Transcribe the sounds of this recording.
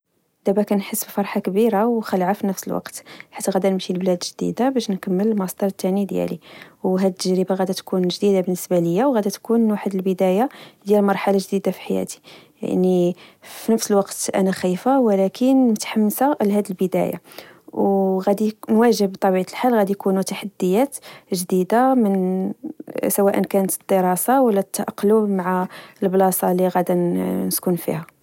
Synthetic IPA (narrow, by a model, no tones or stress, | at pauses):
d̪̥æbækænħəsːbfɑɾˤħakbiɾawxəlʕafinəfsəlwɑ̰qt̪ħḁt̪ːæɣæd̪inəmʃilblæd̪ʒd̪ḭd̪abæʃnkəmːələlmɑsˤd̪ɑɾˤt̪ːænid̪jæ̰liwɦæd̪ət̪ːəʒɾəbaɣæd̪æt̪kunʒd̪id̪abənːəsbaləjːawɣæd̪æt̪kunwaħəd̪əlbəd̪æjad̪jælmɑɾˤħalaʒd̪id̪afi̥ħajæ̰t̪i̥ja̰ʕnifinəfsəlwɑqt̪ʔæ̰næxijfawlækʰənmət̪ħamːsalhæd̪ilbəd̪æ̰ja̰wɣæd̪inwæʒəbbt̪ˤɑbiʕat̪əlħalɣæd̪ijkunut̪aħad̪ːəjæt̪ʒd̪id̪amən | sæwæʔənkænət̪əd̪̥ːəɾˤɑsawəlːæt̪ːʔɑqːlumaʕaəlblɑsˤɑliɣæd̪ænəskʊnfḭhæ